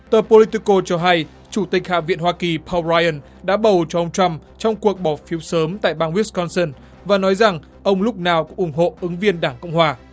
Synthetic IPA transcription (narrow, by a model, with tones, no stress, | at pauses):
t̪əː˨˩po˧li˧t̪i˧ko˧t͡ɕɔ˧ɦa˧j | t͡ɕu˧˩t̪ï˨˩k̟̚ha̰ː˧˨vḭ˧ənhwaː˧ki˨˩pʰɔ˧waː˧ʔə˧˩n | ɗa̰ː˧˥ɓə˨˩wt͡ɕɔ˧ʔə˧wŋ͡mt͡ɕa˧mt͡ɕɔ˧wŋ͡mku˨˩ək̚ɓɔ˧˩fi˨˦əwsəː˨˦mt̪a̰ː˧˨jɓaː˧ŋwi˦˥skɔ˧nsə˧n | vaː˨˩nɔ˨˦jza˨˩ŋ | ʔə˧wŋ͡mlʊ˦˥k͡p̚naː˨˩wkʊ̰˧˥ŋʔʊ˧˩ŋ͡mɦo̰˧˨ʔɨ˨˦ŋvi˧ənɗaː˧˩ŋkɔ̰˧˨wŋ͡mhwaː˨˩